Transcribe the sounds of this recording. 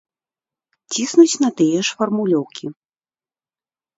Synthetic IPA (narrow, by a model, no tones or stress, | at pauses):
t͡sʲisnut͡sʲn̪ɐt̪ɨjɛʂfɐrmulʲɔwkʲʰi